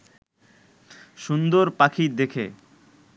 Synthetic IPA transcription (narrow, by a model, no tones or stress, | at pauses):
ʃund̪oɾpakʰid̪ekʰḛ